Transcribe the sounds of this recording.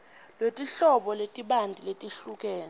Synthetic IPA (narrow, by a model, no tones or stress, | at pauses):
lwetʼiɬɔɓɔletʼiɓandʱiletʼiɬuk̬ʼɛːn